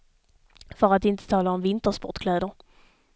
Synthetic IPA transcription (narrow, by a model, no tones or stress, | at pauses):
fœɾat̪ɪnt̪ə̥t̪ʰɑːlaɔmvɪnt̪əɾʂpɔ̰ʈkʰlɛːd̪əɾ